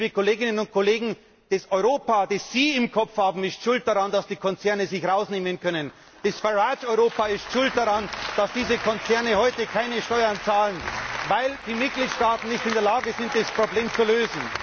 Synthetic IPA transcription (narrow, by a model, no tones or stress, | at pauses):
viːkoleːɡɪnənʊnt̚kʰoleːɡŋ̩ | d̥ɛsɔʏʁoːpadesz̥iːɪmkʰɔp͡fhaːbm̩ɪstʃʊlt̚d̥aʁandasd̥iːkʰɔnt͡sɛɐnəzɪçʁaʊsneːmənkʰœnən | d̥ɛsfɛʁaʃɔʏʁoːpaɪstʃʊlt̚d̥aʁand̥asd̥iːzəkʰɔnt͡sɛɐnəhɔʏtəkʰaɪnəʃtɔʏɐnt͡saːlənvaɪld̥iːmɪt̚ɡ̥liːtʃtaːtn̩nːɪçtɪndəɐlaːɡəzɪnt̚d̥espʁ̥obleːmt͡suløːzn̩